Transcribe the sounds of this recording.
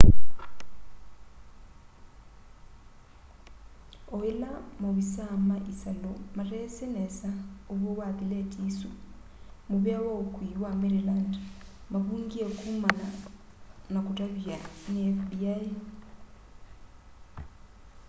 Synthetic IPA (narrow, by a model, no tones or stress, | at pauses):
ɔilamoβisamaʔisalɔmarɛsɛnɛsauβɔwakʼiletʼisu | muβjawaukʰʼwiwamɛɾilandmaβuŋɡiekʰumana | nakʼutʼaβanɛbjaje